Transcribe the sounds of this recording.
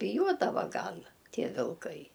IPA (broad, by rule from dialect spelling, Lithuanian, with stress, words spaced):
bʲɪˈjuɔdɐʋɐ ˈɡɐlˠ ˈtʲiɛ ʋʲɪlˠˈkɐɪ